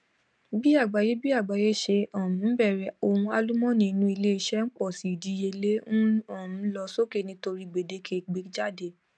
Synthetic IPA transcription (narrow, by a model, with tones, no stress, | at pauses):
bi˦a˦˨ɡ͡ba˨˦je˦bi˦a˦˨ɡ͡ba˨je˦ʃe˧ɔ˦˨m̩̃˨˦bɛ˦˨ɾɛ˨o˧hũ˧a˧lu˦mɔ̃˦nĩ˧nũ˦i˧le˦i˧ʃɛ˦ŋ̩˦k͡pɔ˦˨si˨di˧˦je˧le˦ñ̩˦ɔ̃˦˨m̩̃˨˦lɔ˧so˦ke˦˨nĩ˧to˧ɾi˧ɡ͡be˨de˧˦kʰe˦˨ɡ͡be˨˦d͡ʒa˦de˧˨